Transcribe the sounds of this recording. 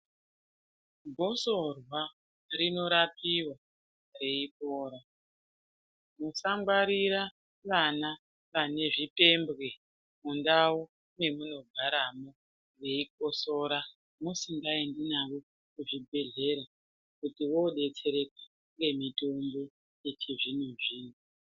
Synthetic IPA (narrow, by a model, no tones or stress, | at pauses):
ɡʱo̞so̞rwa | ɾino̞ɾapiwa | re̞ik̚oːɾa | musaŋɡwaɾiɾa | ʋana | ʋane̞ʐipe̞mbɣe̞ | mundawo | ne̞muno̞ɡʱaɾamo | re̞ik̚o̞so̞ɾa | musiŋɡaendinawo̞ | kuʐibʱe̞ɮe̞ɾa | kutiwo̞ɗe̞t͡se̞ɾe̞k̚a | ŋɡe̞mito̞mbo̞ | je̞t͡ʃiʐinuʐiːnu